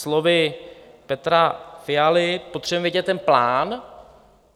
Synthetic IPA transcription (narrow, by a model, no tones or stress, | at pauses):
slovɪpɛt̪ɾafɪalɪpot̪r̝̥ɛbɛmvjɛɟɛt̪ːɛnplaːn